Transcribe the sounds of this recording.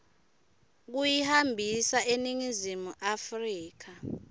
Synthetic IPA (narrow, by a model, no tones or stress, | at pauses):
k̬ujihambʱisaʔeniŋizimuʔafriːk̬a